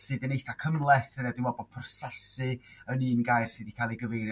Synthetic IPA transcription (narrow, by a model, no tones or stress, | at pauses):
sɨdənejθakʰəmlˠɛθɾadɪmɔbɔd̚pʰʊrsasɨ | ənɨːnɡajrsɨdikʰalˠiɡəvejɾ